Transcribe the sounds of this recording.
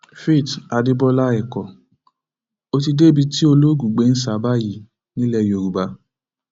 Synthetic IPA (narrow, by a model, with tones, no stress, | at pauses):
fi˦˨ta˨di˦bɔ˦la˦ɛ˨kɔ˨ | o˦ti˧de˦bi˧ti˦o˧lo˦ɡu˨ɡ͡be˨˦n̩˦sa˨˦ba˦˨ji˦˨ | nĩ˦lɛ˧˨jo˨ɾu˨ba˧˦